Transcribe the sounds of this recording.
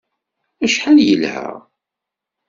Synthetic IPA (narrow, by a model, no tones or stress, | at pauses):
æʃħaljəlhæ̰ʁ